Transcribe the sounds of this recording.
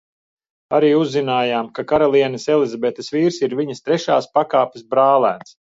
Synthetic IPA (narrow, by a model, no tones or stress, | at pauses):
aɾiːuzːinaːjaːmkakaɾalˠiɛnɐsɛlˠizabet̪ɐsviːɾsiɾviɲɐst̪ɾɛʃaːspakaːpʲesbɾaːlˠæːns